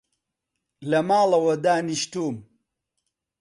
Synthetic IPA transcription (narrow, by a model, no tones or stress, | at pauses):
lɐmaːlɐwɐd̪aːniɕtuːm